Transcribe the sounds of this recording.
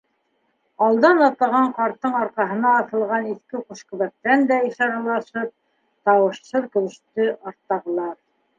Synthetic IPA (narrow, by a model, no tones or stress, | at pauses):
ɑlˠd̪ɑnɑt̪ɑʁɑɴqɑɾt̪ːɤɴɑɾqɑɦɤ̆nɑːθɤ̆lˠʁɑniθkɘquʃqɤ̆βæk̚t̪ːænd̪æiʃɑɾɑlˠɑʃɤp̚ | t̪ɑwɤ̆ʃsɤðkɵ̆βɘ̆ʃt̪ɵʔɑɾt̪ːɑʁɤ̆lˠɑɾ